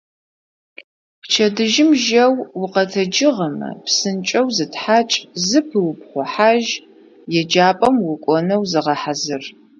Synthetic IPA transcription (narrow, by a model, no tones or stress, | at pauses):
pt͡ʃʰɐdɨʒɪmʒɐwwʊqɐtʰɐd͡ʒɪʁɐmɐ̰psɨnt͡ʃʼɐwzɨtʰħaːt͡ʃʼzɨpʰɨwʊpχʷɔħaʒ | jɛd͡ʒaːpʼɐmwʊkʷʼɔnɐwzɨʁɐħazɨr